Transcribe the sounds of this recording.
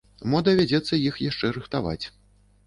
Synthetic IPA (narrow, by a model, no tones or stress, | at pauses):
mɔd̪ɐvʲad͡zʲɛt̪sːɐjixjaʂt͡ʂɛɾɨxt̪ava̰t͡sʲ